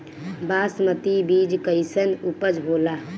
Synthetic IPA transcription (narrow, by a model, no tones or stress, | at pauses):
basmət̪ibid͡ʒkəɪsənupəd͡ʒɦoːla